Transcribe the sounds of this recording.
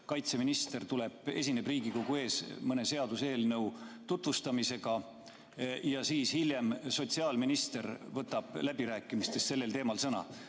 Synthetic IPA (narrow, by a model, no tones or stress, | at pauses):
kɑjt̪se̞minist̪e̞rt̪ule̞b̥e̞̰sinebriːɡiko̞ɡue̞ːsmɤne̞se̞ɑd̪̥use̞ːlnɤ̞wt̪ut̪vust̪ɑmise̞ɡ̥ɑ | jɑsiːshilʲjemso̞t̪ʲsiɑːlminist̪ervɤt̪ːɑb̥læbiɾæːkːˑimist̪e̞st̪se̞lːe̞lt̪e̞ːmɑlsɤnɑ̰